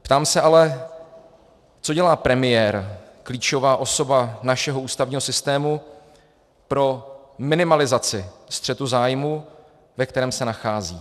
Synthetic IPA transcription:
pt̪aːmsɛalɛ | t͡soɟɛlaːpɾɛmɪjɛɾkliːt͡ʃo̞vaːʔo̞so̞banaʃɛɦo̞ʔuːst̪avɲiːɦosɪst̪ɛːmu | pɾo̞ | mɪnɪmalɪzat͡sɪst̪r̥ɛt̪uzaːjmu | vɛkt̪ɛɾɛːmsɛnaxaːzḭː

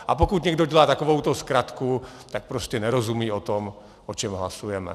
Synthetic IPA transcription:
ʔapokut̪ɲɛɡdoɟɛlaːt̪akovowt̪oskɾat̪kut̪ak̚pɾoscɛnɛɾozumiːot̪om | ʔot͡ʃɛmɦlasujɛmɛ̰

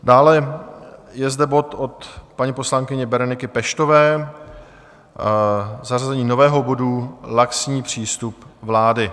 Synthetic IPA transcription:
daːlɛ | jɛzdɛbo̞t̪o̞t̪paɲipo̞slaŋkɪɲɛbɛɾonɪkɪpɛʃt̪o̞vɛː | zarazɛɲiːno̞vɛːɦo̞bo̞dulaksɲiːpr̝̥iːst̪upvlaːdɪ

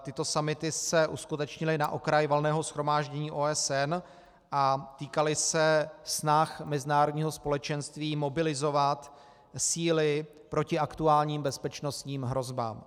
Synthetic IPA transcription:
t̪ɪt̪o̞samɪt̪ɪsɛʔuskut̪ɛt͡ʃɲɪlɪnaʔo̞kɾajvolnɛːɦo̞sxɾo̞maːʒɟɛɲiːʔoːɛsɛn | ʔat̪iːkalɪsɛsnaxmɛzɪnaːɾodɲiːɦo̞spo̞lɛt͡ʃɛnst̪viːmo̞bɪlɪzo̞vat̪ | siːlɪ | pɾo̞cɪʔakt̪uaːlɲiːmbɛspɛt͡ʃno̞st̪ɲiːmɦɾo̞zba̰ːm

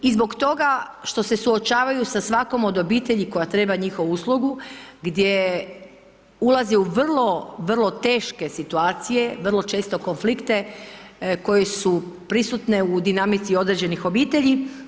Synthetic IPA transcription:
izbo̞kt̪o̞ɡa | ʃt̪o̞se̞suo̞t͡ʃaːʋajusasʋako̞mo̞d̪o̞biːt̪e̞ʎiko̞jat̪ɾe̞ːbaɲixo̞ʋuuslˠuɡuɡd̪je̞ | ulˠaziuʋr̩lˠo̞ʋr̩lˠo̞t̪e̞ːʃke̞sit̪uaːt̪sije̞ʋrlˠo̞t͡ʃeːst̪o̞konflikt̪e̞ | ko̞je̞supɾisut̪ne̞ud̪inamit̪sio̞d̪ɾed͡ʑe̞nixo̞biːt̪e̞ʎi

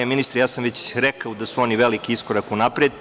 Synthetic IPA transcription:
eminist̪ɾejaːsamʋet͡ɕɾɛkaod̪asuo̞niʋelikiisko̞ɾakunapɾed̪

